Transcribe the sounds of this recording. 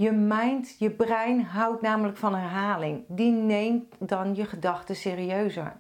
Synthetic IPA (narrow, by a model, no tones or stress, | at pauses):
jəmɛjntjəbrɛjnɦawtnaːmələkfɔnɛrɦaːlɪŋdinejmtdɑnjəχədɑxtəseːriøɥzə̰ɹ